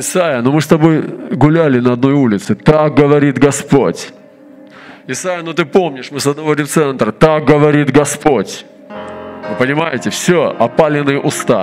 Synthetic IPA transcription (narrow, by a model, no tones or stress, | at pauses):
ɪsajənomɨst̪ɐbo̞jɡʊlʲælʲɪnəɐd̪no̞julʲɪt̪sɨt̪ak̚ɡəvɐɾʲit̪ɡɐspotʲ | ɪsajənot̪ɨpomnʲɪʂmɨsɐd̪nɐvoɾʲɪft̪sɛnt̪ɾət̪ak̚ɡəvɐɾʲit̪ɡɐspotʲ | vɨpənʲɪmajɪtʲɪfsʲoʔɐpalʲɪnɨjəʔʊst̪a̰